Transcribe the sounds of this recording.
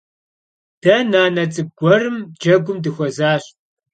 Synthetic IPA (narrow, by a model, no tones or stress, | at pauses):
d̥ɐnaːnɐt͡sʼɨb̚ɡʷɔrɨmd͡ʒɐɡʷʊmdɨxʷɔzaːɕ